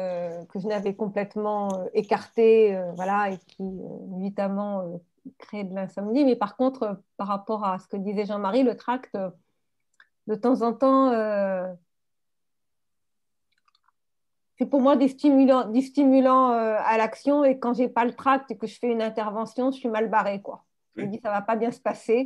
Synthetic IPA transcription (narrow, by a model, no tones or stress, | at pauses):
økəʒənavɛkɔ̃plɛt̪mɑ̃øekaʁt̪eøvwalaekʲʰiø̰evit̪amɑ̃ø | kχeɛd̪əlɛ̃sɔmnimɛpaʁkɔ̃t̪χəpaʁapɔʁasə̥kəd̪izɛʒɑ̃maʁilət̪χakt̪ø | d̪ət̪ɑ̃zɑ̃t̪ɑ̃ø | sɛpuʁmwad̪ist̪imylɑ̃d̪ist̪imylɑ̃øalaksjɔ̃ekɑ̃ʒɛpalət̪χak̚t̪ekəʒəfɛynɛ̃t̪ɛʁvɑ̃sjɔ̃ʒəsɥimalbaʁekwa̰ | ʒ̥əməd̪isavapabjɛ̃sə̥pase